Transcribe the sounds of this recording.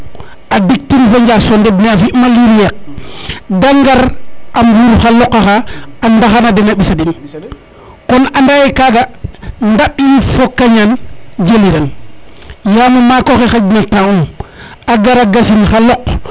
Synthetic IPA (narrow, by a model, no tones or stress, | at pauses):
adik̚tinfaɲd͡ʒasonded̚neafiʔmaliɾijek̚ | daŋɡaɾamjuɾxalɔkːaxaandaxanadinaɓisadin | kɔnandajekaɡandaɓifokːaɲand͡ʒeliɾan | jamamakoxexaɟnataum | aɡaɾaɡasinxalɔk